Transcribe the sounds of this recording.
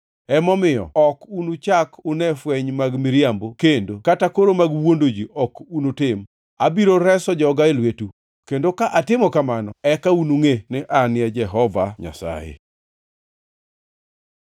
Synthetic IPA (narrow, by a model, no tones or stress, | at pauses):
ɛmɔmɪjɔ̰ɔkunut͡ʃakʊnɛfwɛɲmaɡmiɾjambokendokatakoɾomaɡwondod͡ʒiʔɔkunutɪm | abiɾoɾɛsɔd͡ʒɔɡaelwetu | kendokaʔatɪmɔkamanɔɛkaunuŋenɪʔanɪjɛd͡ʒɛɦɔvaɲa̰sa̰jḛ